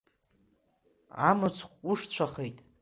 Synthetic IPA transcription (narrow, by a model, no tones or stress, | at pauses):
a̰mɨt͡sʷʰχʷʼuʂt͡ɕʷʰaχejtʼ